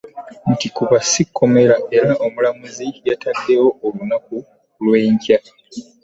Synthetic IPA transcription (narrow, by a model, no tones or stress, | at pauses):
n̩tikuβasikʰːo̞me̞ɾaʔe̞ɾaʔomulamuzijatʰakːewo̞olunak̚u | lweːɲca